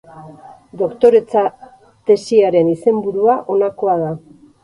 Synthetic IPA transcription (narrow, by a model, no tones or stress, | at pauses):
d̪o̞kt̪o̞ɾe̞t͡sa | t̪e̞siaɾe̞nise̞mbuɾuaʔo̞nako̞að̞a